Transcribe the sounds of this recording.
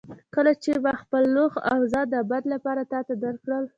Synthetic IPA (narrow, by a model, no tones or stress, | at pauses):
kəlat͡ʃebaxpəlːoɣa̰wzɑd̪ːəbad̪lapɑɾat̪ɑt̪ad̪aɾkɽəl